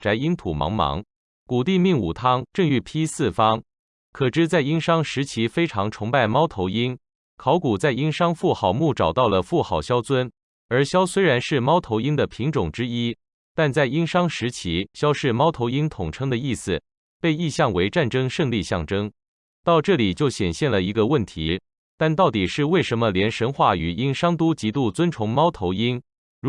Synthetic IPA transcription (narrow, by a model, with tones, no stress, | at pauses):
ʈ͡ʂa˧˥ɪi˥nt̪ʰu˨˩mɑ̰˧˥ŋmɑ̰˧˥ŋ | ku˨˩t̪i˥˧mi˥˩ŋṵ˨˩t̪ʰɑ˥ŋʈ͡ʂɤ˥˧ŋy˥˩pʰi˥sɹ̩˥˩fɑ˥ŋ | kʰɤ˨˩ʈ͡ʂɻ̩˥˧t͡sa˥˩ɪi˥nʂɑ˥ŋʂɻ̩˧˥t͡ɕʰi˧˥fe˥ɪʈ͡ʂʰɑ˧˥ŋʈ͡ʂʰʊ˧˥ŋpa˥˩ɪmɑ˥ʊt̪ʰo˧˥ʊi˥n | kʰɑ˧˥ʊku˨˩t͡sa˥˩ɪi˥ŋʂɑ˥ŋfu˥˩xɑ˨˩ʊmu˥˩ʈ͡ʂɑ˨˩ʊt̪ɑ˥˩ʊlə˩fu˥˩xɑ˨˩ʊɕjɑ˥ʊt͡sʰwə˥n | ə˞˧˥ɕjɑ˥ʊswe˥ɪɻa˧˥nʂɻ̩˥˩mɑ˥ʊt̪ʰo˧˥ʊi˥nd̪ə˨pʰi˧˥ŋʈ͡ʂʊ˨˩ŋʈ͡ʂɻ̩˥i˥ | t̪a˥˧nt͡sa˥˩ɪi˥ŋʂɑ˥ŋʂɻ̩˧˥t͡ɕʰi˧˥ɕjɑ˥ʊʂɻ̩˥˩mɑ˥ʊt̪ʰo˧˥ʊi˥nt̪ʰʊ˨˩ŋʈ͡ʂʰɤ˥ŋd̪ə˨i˥˩sɹ̩˩ | pe˥˧ɪi˥˧ɕjɑ˥˩ŋwe˧˥ɪʈ͡ʂa˥˩nʈ͡ʂɤ˥ŋʂɤ˥˧ŋli˥˧ɕjɑ˥˩ŋʈ͡ʂɤ˥ŋ | t̪ɑ˥˧ʊʈ͡ʂɤ˥˩li˨˩t͡ɕjo˥˩ʊɕjɛ˨˩nɕjɛ˥˩nlə˩i˧˥ɡə˧wə˥˩nt̪ʰi˧˥ | t̪a˥˧nt̪ɑ˥˩ʊt̪i˨˩ʂɻ̩˥˧we˥˩ɪʂə˧˥nmə˧ljɛ˧˥nʂə˧˥nxwa˥˩y˨˩i˥nʂɑ˥ŋt̪u˥t͡ɕi˧˥t̪u˥˩t͡swə˥nʈ͡ʂʰʊ˧˥ŋmɑ˥ʊt̪ʰo˧˥ʊi˥n